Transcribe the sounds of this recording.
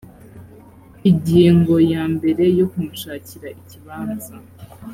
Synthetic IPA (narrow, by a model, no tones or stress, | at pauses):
iɲɟiːŋɡo̞jaːmbe̞ɾe̞jokumuʃaːciɾaʔiciβaːnza